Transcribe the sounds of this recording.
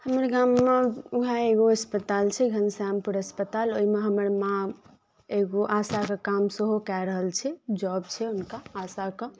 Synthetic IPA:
həməɾɡamːeuɦaeɡoəspət̪alt͡ʃʰɛɡʱənsampuɾəspət̪aloimeɦəməɾmã | eɡoʔasakəkamsəɦokɛɾəɦəlt͡ʃʰɛd͡ʒɔbt͡ʃʰɛunkaːsakə̃

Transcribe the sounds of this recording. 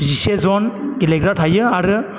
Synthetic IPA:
zisezɔnkileɡɾatʰajɯaɾɯ

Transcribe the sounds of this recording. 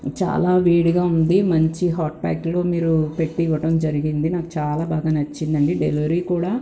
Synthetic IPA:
t͡ʃa̰ːlaːʋiːɽuɡaːund̪imɐɲt͡ʃiɦaːʈ̚ba̰ːklo̞ːmiːɾupe̞ʈːiʋɐʈɐmd͡ʒɐɾiɡind̪inaːku̥t͡ʃaːlaːbaːɡaːnɐt͡ʃːind̪ɐɳɖiɖeluɾiːkuːɽaː

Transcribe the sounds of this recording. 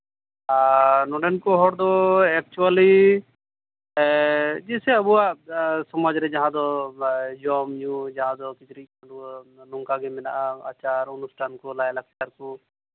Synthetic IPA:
anɔɖɛnkɔɦɔɽd̪ɔɛk̚t͡ʃuali | d͡ʒisɛəbuasɔmɔd͡ʒɾɛd͡ʒaɦãd̪ɔ | d͡ʒɔmjũd͡ʒaɦãd̪ɔkit̪ɾialulɔŋkaɡɛmɛna̰ʔaa̰t͡ʃaɾɔnusʈʰankɔlajlakʰt͡ʃaɾkɔ

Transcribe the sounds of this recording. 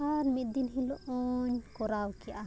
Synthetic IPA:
aɾmid̪inɦilɔɔɲkɔɾawkiʔa

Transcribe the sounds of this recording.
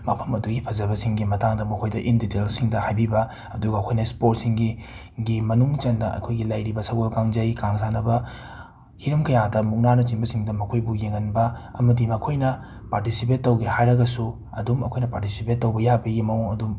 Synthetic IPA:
mɐpʰɐmɐduɡipʰɐzɐbɐsiŋɡimɐtaŋdɐmɐkʰojdɐʔinditelsiŋdɐhajbibɐ | ɐduɡɐːkʰojnɐspot̚siŋɡi | ɡimɐnuŋt͡ʃɐndɐʔɐ̰kʰojɡilɐjɾibɐsɐwɡolkaŋd͡ʒɐjkaŋs̬anɐbɐ | hiɾɐmkɐjadɐmuk̚nanɐt͡ʃinbɐsiŋdɐmɐkʰojbujeŋːɐnbɐɐmɐdimɐkʰojnɐ | paɾtisip̬etːɐwɡehajɾɐɡɐsu | ɐ̰dumɐ̰kʰojnɐpaɾtisipetːɐwbɐjabɐɡimɐuŋɐdum

